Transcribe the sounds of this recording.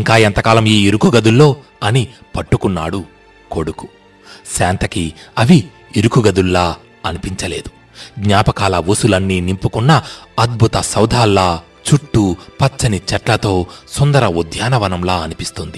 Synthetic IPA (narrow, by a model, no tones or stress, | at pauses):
iŋkaːɐnt̪ɐkaːlɐmiːiɾukuɡɐd̪ulːo̞ː | ɐni | pɐʈːukunːa̰ːɽu | ko̞ɽuku | ʃaːnt̪ɐkiɐʋi | iɾukuɡɐd̪ulːaː | ɐnipiɲt͡ʃɐle̞ːd̪u̥ | ɡɲaːpɐkaːlɐʋusulɐnːinimpukunːɐːd̪̚bʱut̪ɐsɐwd̪ʱaːlːaː | t͡ʃuʈːupɐt͡ʃːɐnit͡ʃɐʈlɐt̪o̞ːsond̪ɐɾɐud̪ʱjaːnɐʋɐnɐmlaːɐnipist̪und̪i